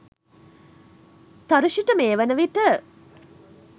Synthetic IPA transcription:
t̪ɐɾuʃiʈəmeːʋənəʋiʈə

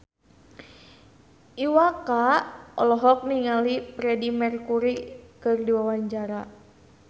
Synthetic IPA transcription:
ʔiwakaɔlɔɦɔk̚niŋalipɾɛdimɛrkuɾikɨrdiwawaɲd͡ʒaɾa

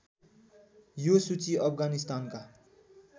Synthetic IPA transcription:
josut͡siʌpʰɡanist̪aːnka

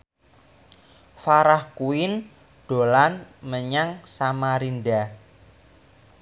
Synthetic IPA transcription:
faɾahkuɪn | ɖ̥o̤lanməɲaŋsamaɾinɖa

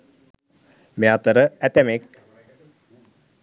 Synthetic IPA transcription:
meat̪əɾəæt̪æmek̚

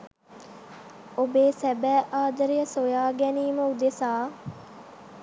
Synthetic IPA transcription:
obeːsɛbɛːʔaːd̪əɾijəsojaːɡɛniːməud̪esaː

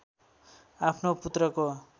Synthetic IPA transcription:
apʰnoput̪rʌko

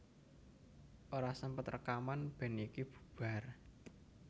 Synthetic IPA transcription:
ʔoɾasəmpət̪rə̰kamanb̥ɛ̤nikib̥u̥̤b̥a̤r

